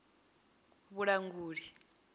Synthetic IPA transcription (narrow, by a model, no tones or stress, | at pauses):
βuɺaŋɡuːɺi